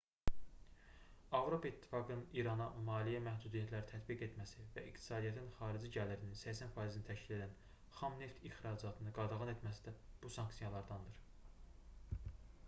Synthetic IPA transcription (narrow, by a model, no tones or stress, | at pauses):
ɑvɾo̞pʰɑit̪ʰːi̥fɑɡɯnniɾɑnɑmɑːlijæmæhd̪ud̪ijæt̪ʰlæɾit̪ʰæt̪biɡe̞t̪mæsivæikt̪ʰi̥sɑːd̪ijæt̪ʰinχɑːɾid͡ʒiɟæliɾininsæçsænfɑizinit̪ʰæʃcile̞d̪æn | χɑmne̞ft̪ʰixɾɑd͡ʒɑt̪ʰɯnɯɡɑd̪ɑɣɑne̞t̪mæsid̪æb̥usɑŋksijɑlˠɑɾd̪ɑnd̪ɯɾ